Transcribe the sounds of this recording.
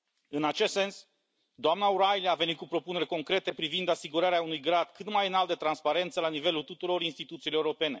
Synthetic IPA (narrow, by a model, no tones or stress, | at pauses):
ɨnat͡ʃe̞st̪se̞ns | d̪oamnauɾajliave̞nit̪̚kupɾo̞pune̞ɾʲko̞ŋkɾe̞t̪e̞pɾivind̪asiɡuɾaɾeaunujɡɾad̪̥kɨt̪majɨnalt̪̚d̪e̞t̪ɾanspaɾe̞nt̪səlanive̞lult̪ut̪uɾo̞ɾinst̪it̪ut̪siloeuɾo̞pe̞ne̞